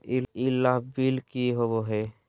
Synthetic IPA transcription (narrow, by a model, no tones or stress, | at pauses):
iilːaɦbilkiɦoboɦe